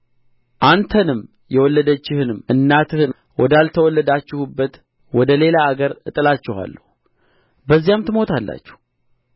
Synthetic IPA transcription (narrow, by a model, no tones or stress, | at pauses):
ʔant̪ʰənɨm | jɛwɔlːəd̪ət͡ʃːɪhɨnɨmɨnːat̪ʰɨhɨn | wɔd̪alt̪ʰəwɔlːəd̪at͡ʃːɪhubːət̪ | wɔd̪əle̞laːɡəɾɨt̪ʼɨlat͡ʃːɪha̰lːə̰hu | bəzːijamt̪ʰɨmo̞t̪ʰalːa̰t͡ʃːɪ̥h